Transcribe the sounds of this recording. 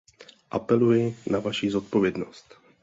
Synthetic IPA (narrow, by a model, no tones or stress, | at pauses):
ʔapɛlujɪnavaʃiːzo̞t̪̚po̞vjɛdno̞st̪